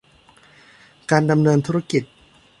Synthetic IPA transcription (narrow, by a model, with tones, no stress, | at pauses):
kaː˧nda˧mnɤː˧nt̪ʰuː˦˥ɾa˦˥ki˨˩t̪̚